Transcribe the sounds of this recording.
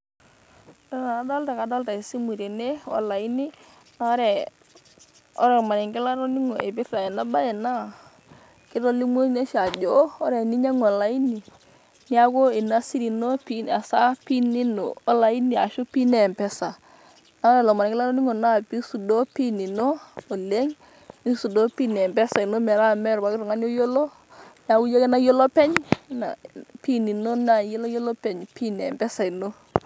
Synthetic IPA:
da˦na˨dɔ˦lta˨ka˨dɔ˦lta˨i˨si˦mu˨ɾe˨ne˦ɔ̰˦la˨i˦ni˦ | na˦ɔ˦ɾɛ˨ | ɔ̰˦ɾɛ˦˨ma˨ɾɪ˨ŋɡɪ˦la˦ɾɔ˦ni˦ŋo˨ʔe˨bɪ˦tɾa˨i˨na˦ba˦jɛ˨na˦˨ | kɪ˦ɾɔ˦li˦mo˦ne˦ʃa˨d͡ʒo˦ɔ˦ɾɛ˨ni˦ɲa˦ŋɔ˨la˨˦i˦ni˨ | nɪ˦a˦ko˦i˨na˦si˦ɾi˨no˦pi˦a˨sa˦pi˦ni˦no˨ɔ˦la˨i˦ni˨a˨ʃo˦pi˦nɛ˨mpɛ˦sa˨ | na˨˦ɾɛ˨lɔ˨ma˨nɛ˨kɪ˦la˦ɾɔ˦ni˦ŋo˨na˦˨pi˦su˨do˦pi˦ni˨noː˦˨le˦ŋ | i˦su˨do˦pi˦nɛ˨mbɛ˦sa˨ɪ˨no˦mɛ˨ɾa˦mɛ˦ɾwa˨˦kɪ˦ɾʊ˨ŋa˦njo˦jo˦lo˦ | n˦a˦ku˦je˦ke˦na˦jo˦lɔ˦pɛ˦ɲna̰˨pi˦ni˨no˦na˦˨je˦la˦jo˦lɔ˦pɛ˨ɲpi˦nɛ˨mbɛ˦sa˨i˨no˦

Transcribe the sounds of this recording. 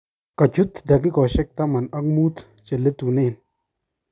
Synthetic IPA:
ka˨t͡ʃu˦t̪da˨k̬i˦kɔ˨ʃe˦k̚t̪a˦ma˨na˦k̚mu˦t̪ | t͡ʃe˨lːe˦t̪u˨ne˦˨n

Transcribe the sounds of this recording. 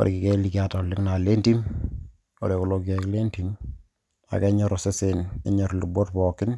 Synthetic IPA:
ɔ̰ɾḭ˨ki˨ke˦li˨ka˦ta˨lɪ˦ŋna˨le˦nti˦m | o̰˨ɾe˨ko˨lo˦kɛ˨kle˦nti˦m | a̰˨kɛ˦ɲɔ˦ɾɔ˨se˦se˨nɛ̰˦ɲɔ˨ɾlu˨bo˦tpɔ˨kɪ˦n

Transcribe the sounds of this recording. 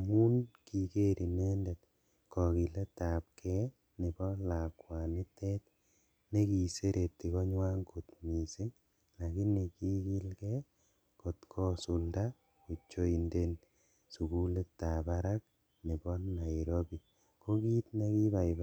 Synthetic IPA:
mu˦nki˨ke˦ɾʔi˨me˦ndɛt | kɔ˨ki˨le˦ta˨p̚kʰɛ˦ | ne˨bɔ˦la˨kwa˨ni˦tɛ˦t | ne˦ki˨se˦ɾʔe˨t̪ːi˨kɔ˦ɲwa˦ŋko˨tmi˨si˦ŋ | la˨ki˦ne˨ki˦ki˦lkɛ˦ | ko˨tkʰɔ˦su˨lda˦ | ko˨t͡ʃo˦i˨nde˦n | su˨ku˦le˦tːa˨pa˦ɾa˦k̚ | ni˨bɔ˦na˨iɾobi˨ | ko˦ki˦tne˦ki˦ba˨ba

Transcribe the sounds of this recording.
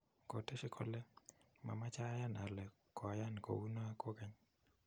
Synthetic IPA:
ko˨te˦ʃɪ˦kʰɔ˦lɛ˦ | ma̰˨ma˦t͡ʃa˦ja˦na˨lɛ˨ | kɔ˨ja˦nko̰˨u˦na˦ko˦kɛ˦ɲ

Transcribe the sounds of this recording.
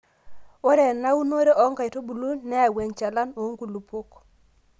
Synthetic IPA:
wo˦ɾɛ˨na˦u˦no˦ɾe˦ʔɔ˦ŋɡa˨i˨to˦bu˨lu˦nnɛ˦a˨we˨ɲt͡ʃa˨la˦no˨˦ŋɡu˨lu˨po˦k

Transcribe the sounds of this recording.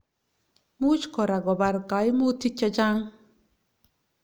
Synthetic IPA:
mu˦t͡ʃkɔ˨ɾa˨ɡɔ˨ba˨ɾka˨jmu˦t̪i˦t͡ʃːa˦d͡ʒa˦ŋ

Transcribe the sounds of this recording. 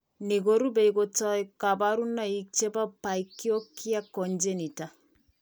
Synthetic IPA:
ne˨ɡo˦ɾu˦be˨iko˨tɔ˦i˦ka˨ba˦ɾu˦na˦i˦k̚t͡ʃe˦ba˦pa˨ikːo˦ki˦a˦kɔ˨nd͡ʒe˦ni˨ta˨

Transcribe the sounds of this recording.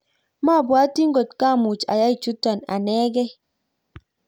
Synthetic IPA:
ma˦˨bwa˨˦ti˦ŋ̩˦ɡo˨t̚ka˦˨mu˨t͡ʃa̰˨ja˦i˨t͡ʃu˦ta˨na̰˨nɛ˦ɡɛ˦

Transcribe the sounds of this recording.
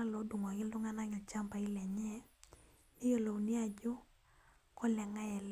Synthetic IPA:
a˦lo˨˦du˨ŋɔ˨ɡɪ˦ldʊ˦ŋa˦na˦ɲa˨t͡ʃa˦mba˨ɪ˦lɛ˨ɲɛ˦ | nɪ˦jo˦lo˨wni˦a˨d͡ʒʊ˦ | kɔ˦lɛ˨ŋa˦ɛ˨l

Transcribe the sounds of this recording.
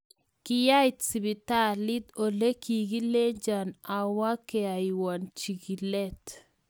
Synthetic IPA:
kɪ˨ja˦jtsi˨bi˨ta˦li˦d̪o˨le˦ki˨ɡi˦le˦ɲd͡ʒa˨na˨wa˦kɛ˨a˨iwɔ˨nt͡ʃi˨ɡi˨lɛ˦t

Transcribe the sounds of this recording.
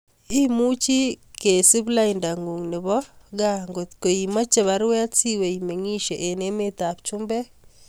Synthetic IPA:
i˦mu˦t͡ʃi˦ke˨si˦βla˦inda˨ŋu˨ŋnɪ˨βɔɡa˦ŋɡo˨tko˨i˨ma˦t͡ʃe˨βa˦ɾwɛ˦a˦t͡si˦we˨ime˨ŋi˦ʃe˨ʔe˨ne˦me˦t̪a˨pt͡ʃʊmbɛ˦

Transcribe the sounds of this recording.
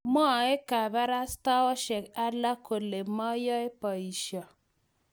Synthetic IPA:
mɔ˦˨e˦ka˨ba˦ɾa˦sta˦ɔ˦ʃɛ˨ka˦la˦ko˨le˨mɔ˦jɔ˦e˦pɔ˨i˨ʃɔ˨

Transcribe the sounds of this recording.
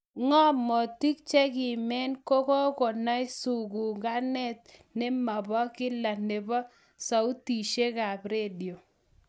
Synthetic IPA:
ŋɔ˦mɔ˨ti˦k̚t͡ʃɛ˦kɪ˨mɛ˦nko˦kɔ˦kɔ˨na˦ɪ˦su˨ɡu˨ŋɡa˦nɛ˦t̪̚ne˦ma˨bɔ˦kɪ˦la˨ne˨bɔ˦ | sa˨u˦ti˨ʃe˦ka˨pɾe˦di˨o˨

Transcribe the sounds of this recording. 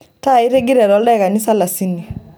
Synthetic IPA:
ta˦˨i˦ɾe˦ɡi˦ɾɛ˨ɾɔ˨˦ldɛ˦˨ka˨ni˦sa˦la˨si˦ni˨

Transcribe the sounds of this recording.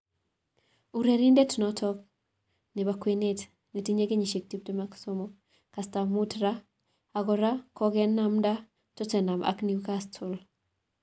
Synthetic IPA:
u˨ɾe˨ɾi˦nde˦tnɔ˦tʰɔ˦k̚ | nɪ˨ba˨kwe˨ne˦t | ni˨ti˦ɲe˦ɡe˦ɲi˨ʃe˨k̚ti˦p̚to˦ma˦ksɔ˦mɔ | ka˨sta˨mu˦tɾa˦ | a˨ɡɔ˨ɾa˦kɔ˦ɡɛ˦nːa˦mda˦ | tɔ˦tɛ˨na˨ma̰˨kni˨u˦ka˦stʰʊ˨l

